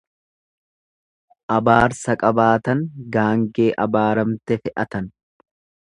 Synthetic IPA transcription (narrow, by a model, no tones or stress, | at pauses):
ʔɐbaːɾsɐkʼɐbaːt̪ɐŋɡaːŋɡe̞ːʔɐbaːɾɐmt̪ɛfɛʔɐt̪ɐn